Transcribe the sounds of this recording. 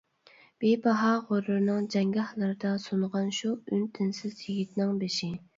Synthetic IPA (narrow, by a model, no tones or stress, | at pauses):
b̥ebɑɦɑʁoɾɨɾnɨŋd͡ʒɛŋɡɑhlˠɨɾɨd̪ɑsonʁɑnʃuynt̪ʰɪnsɪzjiɡʲit̪nɪŋbeʃɪ